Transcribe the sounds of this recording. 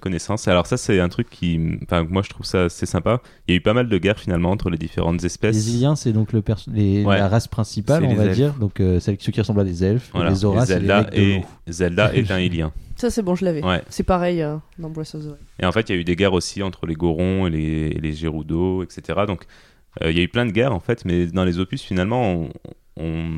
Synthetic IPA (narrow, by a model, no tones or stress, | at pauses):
kɔnesɑ̃salɔʁsasɛɛ̃t̪χykʲʰːĩfɛ̃mwaʒə̥t̪χuvsaːsɛsɛ̃pa | iljaypamald̪əɡʲɛʁfinalmɑ̃ɑ̃t̪χəled̪ifḛʁɑ̃t̪zɛspɛsleziljɛ̃sɛd̪ɔ̃kləpɛʁslewɛlaʁaspχɛ̃sipalɔ̃vad̪iʁd̪ɔ̃køsɛlʲsəkʲiʁəsɑ̃blad̪ezɛlfvwalaezɔʁasɛldd̪ak̪eo | zɛld̪aʔet̪ɛ̃iljɛ̃sasɛbɔ̃ʒəlavɛwɛsɛpaʁɛjd̪ɑ̃bwasɔzoḛɑ̃fɛt̪iljayd̪eɡɛʁosiɑ̃t̪χəleɡoʁɔ̃elḛleʒeʁud̪oɛkset̪eʁad̪ɔ̃k | ø̰iljayplɛ̃d̪əɡʲɛʁɑ̃fɛt̪mɛd̪ɑ̃lezopysfinalmɑ̃ | ɔ̃